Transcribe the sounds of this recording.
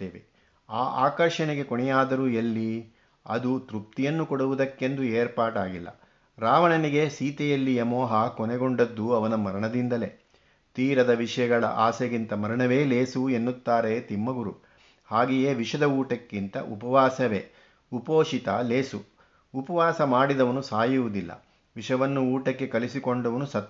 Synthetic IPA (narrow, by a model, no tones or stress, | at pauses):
t̪ːeːʋḛ | aːʔaːkɐɾʃɐnɛɡe̞kɔɳɛjaːd̪ɐɾuːjɐlːi | ɐ̰d̪ut̪ɾup̚t̪ijɐnːukɔɽuʋud̪ɐkːe̞nd̪ueːɾpaːʈaːɡilːɐ̰ | ɾaːʋɐɳɐniɡe̞siːt̪ɛjɐlːijɐmɔːɦɐkɔnɛɡoɳɖɐd̪ːuɐʋɐnɐmɐɾɐɳɐd̪ind̪ɐle̞̰ | t̪iːɾɐd̪ɐʋiʂɐjɐɡɐɭɐ̰ʔaːseɡint̪ɐmɐɾɐɳɐʋe̞ːle̞ːsuenːut̪ːaːɾe̞t̪imːɐɡuɾu | haːɡijeːʋiʂɐd̪ɐuːʈɐkːint̪ɐ̰ʔṵpɐʋaːsɐʋḛː | upoːʂit̪ɐleːsu | upɐʋaːsɐmaːɽid̪ɐʋɐnusaːjuʋud̪ilːɐ̰ | ʋiʂɐʋɐnːuuːʈɐkːe̞kɐlisikoɳɖɐʋɐnusɐt̪